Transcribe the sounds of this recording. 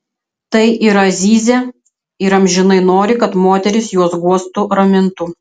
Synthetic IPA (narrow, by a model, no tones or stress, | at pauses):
t̪ɐɪʔiɾɐzʲiːzʲɛ | ɪɾɐmʲʒʲɪnɐɪnoːɾʲɪkɐt̪moːt̪ʲɛɾʲɪsjuɔsɡuɔst̪ʊɾɐmʲɪnt̪ʊ